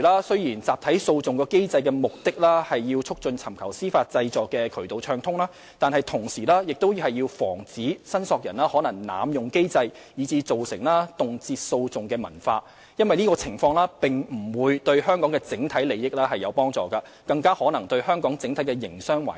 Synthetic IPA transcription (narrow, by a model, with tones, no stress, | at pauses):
laː˥sɵ˥ɥjiː˨˩nt͡saː˨p̚t̪ʰɐ˨˥jso˧wt͡sʊ˨ŋkɔː˧ke˥jt͡sɐ˧jkɛː˧mʊ˨k̚t̪ɪ˥k̚laː˥hɐ˨jːiː˧wt͡sʰʊ˥k̚t͡sɵ˧nt͡sʰɐ˨˩mkʰɐ˨˩wsiː˥faː˧t̚t͡sɐ˧jt͡sɔː˨kːɛ˧kʰɵ˨˩ɥt̪o˨wt͡ʃʰœː˧ŋt̪ʰʊ˥ŋlaː˥ | t̪aː˨nɦɐ˨jt̪ʰʊ˨˩ŋsiː˨˩laː˥jɪ˨k̚t̪o˥whɐ˨jːiː˧wfɔ̰ː˨˩ŋt͡siː˨˥sɐ˥nsɔː˧k̚jɐ̰˨˩nlaː˥hɔː˨˥nɐ˨˩ŋna̰ː˨˧mjʊ˨ŋke˥jt͡sɐ˧j | jiː˨˧t͡siː˧t͡so˨wsɪ̰˨˩ŋlaː˥t̪ʊ˨ŋt͡siː˧t̚so˧wt͡sʊ˨ŋkɛː˧mɐ˨˩nfa̰ː˧ | jɐ˥nwɐ˨jniː˥kɔː˧t͡sʰɪ˨˩ŋfɔː˧ŋlaː˥pɪ˨ŋm̩˨˩wuː˨˧jt̪ɵ˧ɥhœː˥ŋkɔː˨˥ŋkɛ˧t͡sɪ˨˥ŋt̪ʰɐ˨˥jle˨jːɪ˥k̚lɛː˥hɐ˨jːɐ˨˧wpɔː˥ŋt͡sɔː˨˩kɐ˧ | kɐ˧ŋkaː˥hɔː˨˥nɐ˨˩ŋt̪ɵ˧ɥhœː˥ŋkɔː˨˥ŋt͡sɪ˨˥ŋt̪ʰɐ˨˥jkɛ˧jɪ˨˩ŋsœː˥ŋwa̰ː˨˩